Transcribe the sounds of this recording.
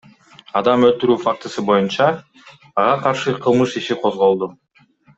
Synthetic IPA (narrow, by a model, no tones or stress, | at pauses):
ɑd̪ɑmølt̪yɾyːfak̚t̪ɯsɯbo̞junt͡ʃɑː | ʁɑqʰɑɾʃɯqʰɯlˠmɯʃiʃiqʰo̞zʁo̞lˠd̪u